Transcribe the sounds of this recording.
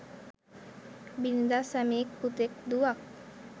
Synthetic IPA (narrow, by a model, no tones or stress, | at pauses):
bind̪asamik̚put̪ɪk̚d̪uak̚